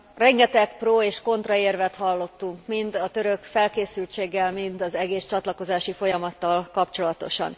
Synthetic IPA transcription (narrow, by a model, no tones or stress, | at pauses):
rɛŋɡɛt̪ɛkproːeːʃko̞nt̪rɒeːrvɛt̪hɒlːo̞t̪ːuŋkmind̪ɒt̪ø̞ɾø̞kfɛlkeːsylt͡ʃeːɡːɛlmint̪ɒzɛɡeːst͡ʃɒt̪lɒko̞zaːʃifo̞jɒmɒt̪ːɒlkɒpt͡ʃo̞lɒt̪o̞ʃɒ̰n